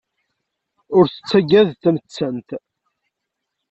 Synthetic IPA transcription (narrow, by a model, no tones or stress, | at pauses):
ʊɾθə̥t͡sːæɡæðt̪æmət͡sːənt̪